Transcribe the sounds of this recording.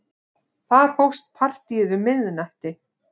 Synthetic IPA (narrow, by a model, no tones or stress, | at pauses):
θaɾ̥howst̪̚pʰar̥t̪iɪðʏmːɪððʏnaht̪ɪ